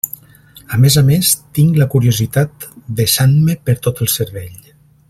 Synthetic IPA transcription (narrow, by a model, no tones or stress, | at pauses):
əmezamest̪iŋɡləkuɾiuzit̪at̪d̪əsanməpəɾt̪ot̪əlˠsəɾβeʎ